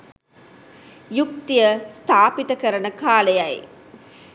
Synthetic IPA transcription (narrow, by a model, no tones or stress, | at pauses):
juk̚t̪ijəst̪ʰaːpit̪ɐkəɾənəkaːlejaj